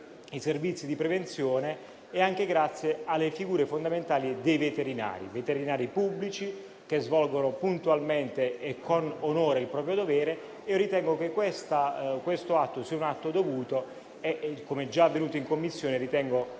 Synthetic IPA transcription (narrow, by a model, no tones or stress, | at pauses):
iservit̪sːid̪ipɾevent̪sjɔːneː | aŋkeɡɾat̪sːjealːefiɡuːɾefond̪ament̪aːlid̪ejvet̪eɾina̰ːɾḭvet̪eɾinaːɾipubːlit͡ʃi | k̟ezvɔlɡonopunt̪ualment̪eːkʰːononoːɾeilpɾɔːpɾjod̪ovɛːɾe | iːoɾit̪ɛŋɡokekːwest̪akwest̪oat̪ːosiaunat̪ːod̪ovuːt̪o | ekomɛd͡ʒaavːenuːt̪oiŋkomːisːjoːneɾit̪ɛŋɡo